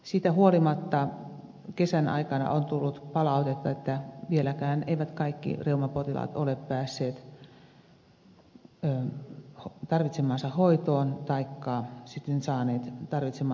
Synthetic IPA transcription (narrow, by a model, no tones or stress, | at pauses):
siːt̪æhuolimɑt̪ːɑ | kesænɑ̰ikɑnɑ̰ʔont̪ulːut̪pɑlɑut̪et̪ːɑet̪ːæʋielækæːneiʋæt̪kɑikːḭreumɑpot̪ilɑ̰t̪oleppæːsːeːt̪ | ht̪ɑrʋit̪semɑːnsɑhoit̪oːnt̪ɑikːɑsit̪ːensɑːneːt̪t̪ɑrʋit̪semɑː